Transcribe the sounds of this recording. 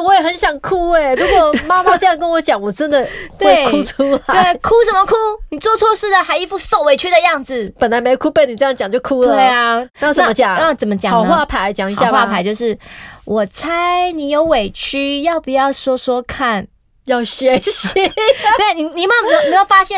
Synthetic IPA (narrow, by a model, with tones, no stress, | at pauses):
wɔ˧˥jɛ˨˩xə˧˥nɕjɑ˨˩ŋkʰu˥e˨ɻu˧˥kwɔ˨˩ma˥ma˧t͡sɤ˥˧jɑ˥˩ŋkə˥nwɔ˧˥t͡ɕjɑ˨˦ŋwɔ˨˩ʈ͡ʂə˦˥nd̪ə˨t̪we˥˩ɪ˩kʰu˥ʈ͡ʂʰu˥la˥˩kʰu˥ʂə˨˩nmə˧kʰu˥ni˨˩t͡swɔ˥˩t͡sʰwɔ˥˧ʂɻ̩˥˩d̪ə˨xa˧˥ɪi˧˥fu˥˩so˨˩ʊwe˨˩ɪt͡ɕʰy˥d̪ə˨jɑ˥˩ŋd͡zɹ̩˨˩pə˨˩nla˨˥ɪme˧˥ɪo˨˩kʰu˥pe˥˩ɪni˨˩ɤ˥˧jɑ˥˩ŋt͡ɕjɑ˨˩ŋt͡ɕjo˥˩ʊkʰu˥lwə˨e˥˩ɪɐ˧a˥˧˩nt͡səa˥˧˩mə˦t͡ɕjɑ˨˩˦ŋa˥˧˩t͡sə˨˩mə˦t͡ɕjɑ˨˩˨xwa˥˧˩pʰa˧˦ɪt͡ɕjɑ˨˩˦ŋi˧˥ɕja˥˧xwa˥˩pʰa˧˥ɪt͡ɕjʊʂɻ̩˥˩wʔɔ˨˩t͡sʰa˥ɪɪni˨˩jo˧˥ʊwe˨˩ɪt͡ɕʰy˥jɑ˥˩ʊpu˨˩jɑ˥˩ʊʂwɔ˥ʂwɔ˥kʰa˥˩n | jɑ˥˩ʊɕɥɛ˧˥ɕi˧e˥i˨˩ni˨˩ni˨˩ma˥m˨˧˥m˧˥jo˨˩fa˥ɕjɛ˥˨